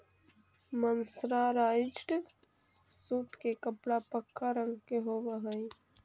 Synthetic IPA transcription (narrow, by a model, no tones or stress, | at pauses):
mənsɾaɾaːit͡ʃʈ | suːt̪kekəpɽapəkʰːaɾə̃ŋɡkeɦoʋəɦəi